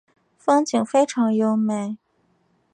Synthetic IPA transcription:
fɤ˥ŋt͡ɕi˨˩ŋfe˥ɪʈ͡ʂʰɑ˧˥ŋjo˧˥ʊme˨˩ɪ

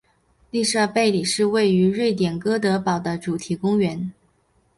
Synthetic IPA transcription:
li˥˧ʂɤ˥˧pe˥˩ɪli˨˩ʂɻ̩˥˧we˥˩ɪy˧˥ɻwe˥˩ɪt̪̬jɛ˨˩nkɤ˥t̪ɤ˧˥pɑ˨˩ʊd̪ə˦ʈ͡ʂu˨˩t̪ʰi˧˥kʊ˥ŋɥɛ˧˥n

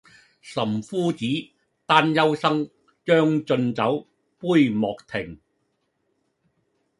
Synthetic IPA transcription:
sɐ˨˩mfuː˥t͡siː˨˥ | t̪aː˥njɐ˥wsɐ˥ŋ | t͡ʃœː˥ŋt͡ʃɵ˧nt͡sɐ˨˥w | puː˥jmɔː˨k̚t̪ʰɪ˨˩ŋ

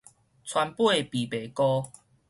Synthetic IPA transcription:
t͡sʰwa˧˦npwe˥˦˨pi˨˩pe˨˦kɔ˦

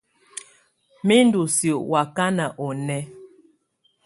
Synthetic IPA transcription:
mi˦ndu˨sjo˨wa˨ka˦na˨ʔɔ˨nɛ˦

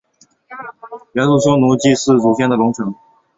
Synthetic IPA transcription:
ɥɛ˧˥nʈ͡ʂu˥˩ɕo˥ʊnu˧˥t͡ɕi˥˧ʂɻ̩˥˩ʈ͡ʂu˨˩ɕjɛ˥˩nd̪ə˩lʊ˧˥ŋʈ͡ʂʰɤ˧˥ŋ

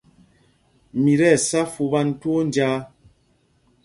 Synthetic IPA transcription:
mi˨ɾɛ˦˨sa˦fu˨ba˦n˦two˦n˦d͡ʒaː˦

